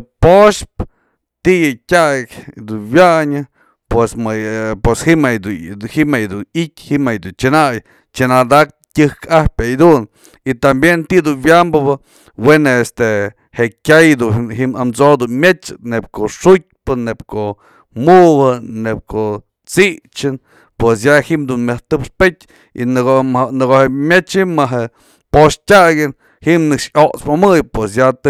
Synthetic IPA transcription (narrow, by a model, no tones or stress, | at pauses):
poʃp̚ | t̪iʔjɨkʲakʲd̪uwjaɲɨ | pwesmapweshimajd̪uhimajd̪unitʲhimajd̪unt͡ʃɨnaj | t͡ʃɨnad̪ak̚ | tʲɨhkahpʲajd̪un | it̪ambjent̪id̪unwjambɨβɨ | wenaest̪e | heʔkʲajd̪uɦiʔmamt͡sod̪unmjet͡ʃɨ̥nep̚koʔʂut̚pɨnːepkoʔ | muʔhɨnep̚kʰoʔ | t͡siʔt͡ʃɨn | pwesjahiʔmd̪unmaht̪ɨpʂpet̚ʲ | ḭnɨɡohemʲjet͡ʃimːaɦe | poʂtʲaʔɡʲɨn | himnɨkʂoʔt͡smamɨjpwes̬jat̪ɨ